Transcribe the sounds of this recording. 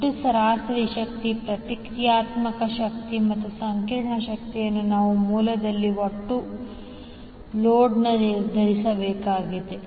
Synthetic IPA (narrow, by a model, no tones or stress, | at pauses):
usɐɾaːsɐɾiʃɐk̚t̪ipɾɐt̪ikɾjaːt̪mɐkɐʃɐk̚t̪imɐt̪ːusɐŋkiɾɳɐʃɐk̚t̪ijɐnːunaːʋumuːlɐd̪ɐlːioʈːu | loːɖnɐd̪ʱɐɾisɐbɛːkaːɡid̪e